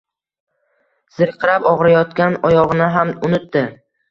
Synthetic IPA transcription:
z̥ɨɾqʰɨɾapɒʁɾajɒt̪kʲanɒjɒʁɨnɪɦamʊnɪt̪ːɪ

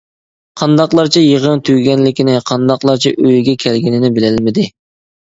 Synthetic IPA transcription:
qʰɑnd̪ɑqlˠɑɾt͡ʃʰɛjəʁənt̪ʰyɡʲɛnlɪkʲinɪqʰɑnd̪ɑqlˠɑɾt͡ʃʰɛ̰ʔøjɡʲɛkʲʰɛlɡʲinɪnɪbɪlɪlmɪd̪ɪ

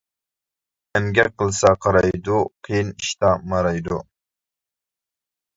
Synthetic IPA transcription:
ɛmɡʲɛqʰəlˠsɑqʰɑɾɑjd̪uqʰijiniʃt̪ɑmɑɾɑjd̪u

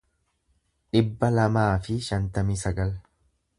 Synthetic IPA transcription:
ᶑɪbːɐlɐmaːfɪʃɐnt̪ɐmiːsɐɡɐl

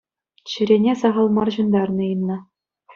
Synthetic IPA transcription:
ɕɯ̆ɾʲenʲesɑʁɑlˠmɑrʑɤ̆nd̪ɑrnɤ̆ɯnːɤ̆

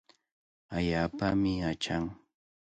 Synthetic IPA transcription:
aʎaːpamɪat͡ʃaŋ

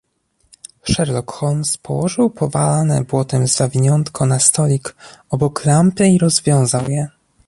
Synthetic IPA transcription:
ʂɛɾlɔkxɔlmspʰɔwɔʐɘwpʰɔvalanɛ̰bwɔt̪ɛmzavʲiɲɔnt̪kʰɔnast̪ɔlʲikɔbɔklampɘiɾɔzvʲjɔ̃w̃zawjɛ

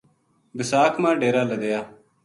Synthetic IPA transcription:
bɪsaːkʰmãːɖeːɾaːləd̪ejaː

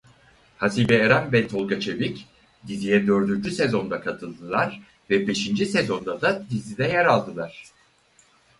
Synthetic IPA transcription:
hasiːbɛːɾænbɛlʲt̪ʰo̞lˠɡat͡ʃʰe̞bic | d̪izijɛd̪ø̞ɾd̪ynd͡ʒyse̞zo̞nd̪akʰat̪ʰɯlˠd̪ɯlˠaɾ̥ | vɛbe̞ʃind͡ʒise̞zo̞nd̪ad̪ad̪izid̪ɛjaɾalˠd̪ɯlˠaɾ̥

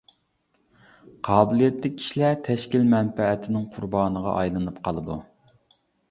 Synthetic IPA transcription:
qʰɑːbɪlˠijɛt̪lɪkʲʰːi̥ʃlæt̪ʰɛʃkʲilmɛnpɛɛt̪ʰɪnɪŋqʰʊɾbɑːnəʁɑ̰ʔɑ̰jlˠɨnɨpqʰɑlˠɨd̪u

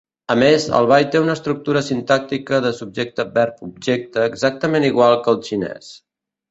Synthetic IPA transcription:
əmezə̰lˠβ̞ajt̪eunəːst̪ɾuk̚t̪uɾəsint̪ak̚t̪ikəðəsub̚ʒek̚t̪əbɛɾpub̚ʒek̚t̪əːɡzak̚t̪əmeniɣwalˠkəlˠʃinɛ̰s

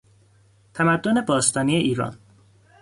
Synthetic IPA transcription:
t̪ʰæmæd̪ːone̞bɒːst̪ɒːniːeʔiːɾɒ̰ːn

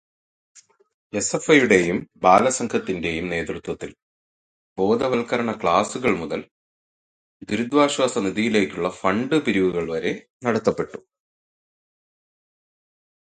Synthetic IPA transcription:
e̞sefɐjuɽe̞jumbaːlɐsɐŋkʰɐt̪ːinde̞jumne̞ːd̪rut̪wɐt̪ːil | bo̞ːd̪ʱɐʋɐlkɐɾɐɳɐkɭaːsuɣɐɭmuðɐl | d̪uɾud̪ʋaːɕwaːsɐniðijile̞ːkʲːuɭːɐfɐɳɖɨpiɾiʋuɣɐɭʋɐɾe̞ | nɐɽɐt̪ːɐpːe̞ʈːu̥

